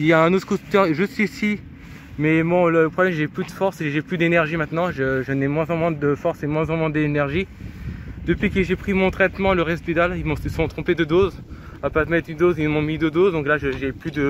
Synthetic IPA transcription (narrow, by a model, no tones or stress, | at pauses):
iljaɛ̃not̪χəot̪œʁʒəsɥisi | mɛmwɔ̃lələpχɔblɛmʒeplyd̪əfɔʁsʒeplyd̪enɛʁʒimɛ̃t̪nɑ̃ʒəʒənɛmwɛ̃zɑ̃mwɛ̃d̪əfɔʁsemwɛ̃zɑ̃mwɛ̃d̪enɛʁʒi | d̪̥əpɥikəʒepχimɔ̃t̪χɛt̪mɑ̃ləʁɛst̪id̪alimɔ̃sɔ̃t̪χɔ̃ped̪əd̪oz | apat̪mɛt̪dynd̪ozimɔ̃mid̪əd̪ozd̪ɔ̃klaʒəʒeplyd̪ə